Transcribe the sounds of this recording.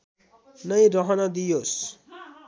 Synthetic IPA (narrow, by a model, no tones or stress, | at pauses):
nʌj̃ɾʌɦʌnʌd̪ijos